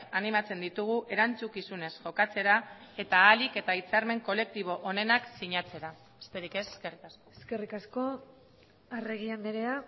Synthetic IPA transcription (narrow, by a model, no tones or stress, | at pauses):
animat͡se̞nd̪it̪uɣ̞uʔe̞ɾant͡sukisune̞sʝo̞kat͡se̞ɾae̞t̪aːlike̞t̪ait͡saɾme̞ŋko̞le̞k̚t̪iβ̞o̞ʔone̞naksiɲat͡se̞ɾa | est̪eɾikese̥skerikasoeske̞rikasko̞ | areɣ̞iand̪eɾea